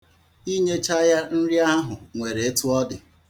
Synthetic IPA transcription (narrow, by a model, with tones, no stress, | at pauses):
i˦ɲe˦t͡ʃa˦ja˦n̩˦ɾi˦a˦ɦʊ˨ŋʷe˨ɾe˨e˦tu˦ɔ˦dɪ˨